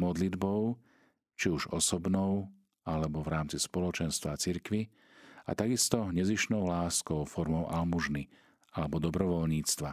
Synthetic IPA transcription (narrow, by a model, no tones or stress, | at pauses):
mɔd̪lid̪bɔʊ | t͡ʃiuʒɔsɔbnɔʊ | alɛbɔvɾaːmt͡sispɔlɔt͡ʃɛnst̪ʋat͡siɾkʋi | a̰t̪aɡist̪ɔɲɛziʃnɔʊlaːskɔʊfɔɾmɔʊʔalmuʒni | alɛbɔd̪ɔbɾɔʋɔlɲiːt͡st̪ʋa